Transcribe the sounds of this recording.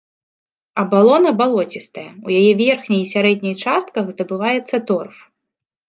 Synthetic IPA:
ɐbalˠɔnɐbalˠɔt͡sʲist̪ɐjɐujajɛvʲɛrxnʲɐjsʲaɾɛd̪̚ʲnʲɐjt͡ʂast̪̚kɐɣzd̪ɐbɨvajɛt̪sːɐt̪ɔrf

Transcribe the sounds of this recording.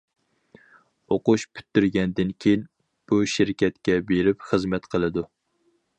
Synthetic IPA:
oqʊʃpʰy̥t̪ːyɾɡʲɛnd̪ɪnkʲʰejin | b̥uʃɪɾkʲʰɛt̪kʲɛbeɾɪpχəzmɛt̪qʰəlˠɨd̪u

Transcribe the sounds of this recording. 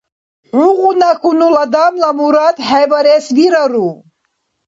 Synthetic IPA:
ħuʁunakʰunulad̪amlamuɾad̪ħajvaɾɛsɡiɾaɾu

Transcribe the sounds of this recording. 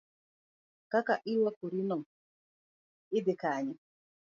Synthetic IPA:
kakaʔilakuɾinɔŋ | ɪdɪkaːɲɛ

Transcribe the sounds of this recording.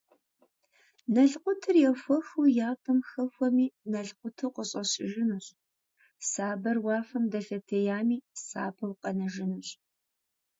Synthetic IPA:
nɐɮqʷʊtʰɨrjɛxʷɔxuwjaːpʼɨmxɐxʷɔmiːnɐɮqʷʊtʰuqəɕʼɐɕʼɪ̰ʒɪnuɕʼ | saːbɐrwɑːfɐmdɐfɐtʰejaːmiːsa̰ːbɐwqʼɐnɐʒɪnuɕʼ

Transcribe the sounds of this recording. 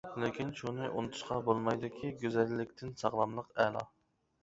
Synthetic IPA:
lɪkʲinʃunɨʔṵnɨt̪ʰu̥ʃqɑbolˠmɑjd̪ɪkʲʰiɡʲyzɛlːɪkʲt̪ʰɪnsɑʁlˠɑmlˠəqɛlˠɑ̰

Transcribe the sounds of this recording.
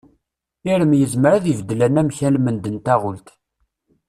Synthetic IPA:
iɾəmjəzməɾæðivd̪ːəlænæmçælmənd̪ənt̪æʁʊlt̪

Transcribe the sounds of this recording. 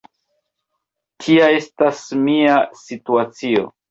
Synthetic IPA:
tʰiae̞stasmiasituat͡sio̞̰

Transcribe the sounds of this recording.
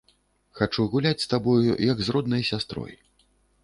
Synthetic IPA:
xat͡ʂuɣulʲat͡sʲst̪abɔjujɐɡzrɔd̪nɐjsʲast̪ɾɔ̰j

